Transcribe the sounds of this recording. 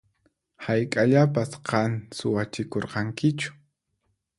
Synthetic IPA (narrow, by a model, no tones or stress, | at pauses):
hajkʼaʎapasqɑnsʊwat͡ʃɪkoɾqɑŋkɪt͡ʃʊ̥